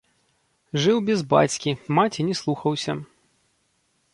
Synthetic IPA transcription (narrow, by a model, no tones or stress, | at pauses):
ʐɨwbʲɛzba̰t͡sʲkʲimat͡sʲinʲɛslˠuxɐwsʲɐ